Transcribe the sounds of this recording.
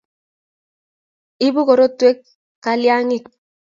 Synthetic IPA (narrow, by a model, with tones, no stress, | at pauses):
i˦bu˦ko˨ɾo˦twe˦kː | a˨lja˦ŋɪ˦˨k